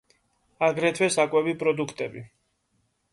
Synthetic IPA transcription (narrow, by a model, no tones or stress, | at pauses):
aɡɾɛt̪ʰwɛsakʼwɛbipʼɾɔd̪ukʰt̪ʼɛbi